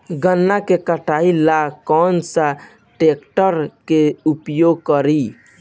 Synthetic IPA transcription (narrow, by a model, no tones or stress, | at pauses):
ɡənːakekəʈʰailakɔnsa | ʈekʈəɾkeupjoɡ̚kəɾi